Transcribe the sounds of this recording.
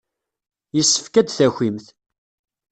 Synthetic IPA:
jəsːə̥fkæd̪θæxʷimθ

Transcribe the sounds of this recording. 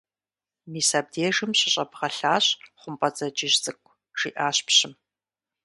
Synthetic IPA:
miːsaːb̚deːʐɨmɕɪɕʼɐpʰʁɐɬaːɕχʷʊmpʼɐt͡sʼɐd͡ʒɪʒzʼɨkʷʰʼ | ʒ̥ḭːʔaːɕpɕɪm

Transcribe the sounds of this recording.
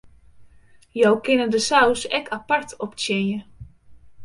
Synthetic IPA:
jɔwkɪnədəsawsɛkʰapartʰɔptɪnjə

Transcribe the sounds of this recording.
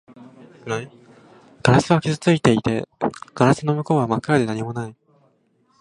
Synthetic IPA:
ɡ̥aɾasɨβakʲizɨt͡sɨit̪e̞it̪e̞ɡ̥aɾasɨno̞mɯ̟ko̞ːβamakːɯɾad̪e̞naɲ̟imo̞nai

